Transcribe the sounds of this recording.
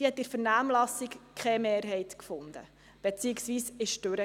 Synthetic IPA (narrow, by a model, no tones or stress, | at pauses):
ihɛt̪ːɪɾfəɾnæːmlɑsikkʰχɛmeːɾɦɛɪt̪kfʊnd̪ə̰ | b̥ɛt͡siːɪksʋiːsɪʃtøɾə